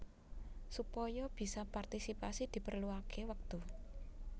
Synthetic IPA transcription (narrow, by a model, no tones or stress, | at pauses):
supɔjɔb̥i̤sɔpart̪isipasid̪̥i̤pərluakʰewək̚t̪u